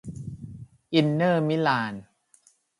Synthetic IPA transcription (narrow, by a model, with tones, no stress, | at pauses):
ʔi˧nːɤː˥˩mi˦˥laː˧n